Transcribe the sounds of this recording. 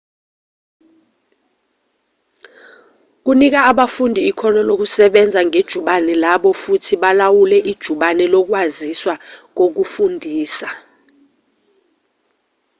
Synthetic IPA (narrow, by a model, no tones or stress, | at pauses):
k̬unik̬aaɓafundʱiːkʰɔnɔnok̬usɛɓɛnd͡zʱaŋed̥ʒ̥ʱuɓanɛlaɓɔfutʰiɓalawulɛʔid̥ʒ̥ʱuɓanɛlɔk̬waziswak̬ok̬ufundʱiːsa